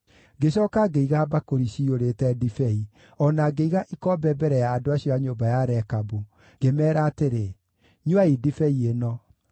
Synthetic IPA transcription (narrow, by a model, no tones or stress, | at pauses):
ɡeɕ̬ɔːkaɡeiɣabakoɾiɕioɾetɛdifɛi | ɔnaɡeiɣaʔikɔbɛbɛɾɛjaːdoaɕiɔaɲobajaɾɛkabu | ɡ̥emɛːɾaːteɾe | ɲwaidifɛienɔ